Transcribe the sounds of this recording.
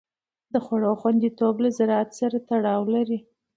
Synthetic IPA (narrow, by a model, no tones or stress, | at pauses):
d̪̥əxwaɽoxwand̪it̪oblazaɾɑat̪saɾat̪aɽɑwlaɾi